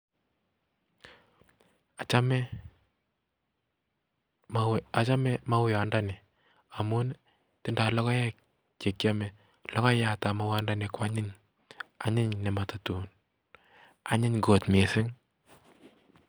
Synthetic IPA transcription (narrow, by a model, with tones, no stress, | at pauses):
a˨t͡ʃa˦mɛ˦ | a˨t͡ʃa˦mɛ˦ma˦wɪ˦ja˨nda˦nɪ˨ | a˨mu˦n | tɪ˦nda˨lɔ˦kɔ˦jɛ˦k̚ | t͡ʃe˨kja˦mɛ˨ | lɔ˦kɔ˦ja˨ta˨ma˦wa˦nda˦nɪ˨kwa˦ɲɪ˦ɲ | a˦ɲɪ˦ɲnɛ˨ma˨ta˨tu˨n | a˨ɲɪ˦ɲɡo˨tme˨sɪ˦ŋ